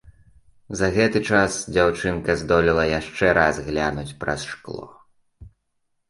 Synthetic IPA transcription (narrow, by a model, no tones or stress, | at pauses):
zɐɣɛt̪ɨt͡ʂasd͡zʲawt͡ʂɨnkɐzd̪ɔlʲilˠɐjaʂt͡ʂɛɾʔazɣlʲanut͡sʲpɾɐ̰sʂklˠɔ̰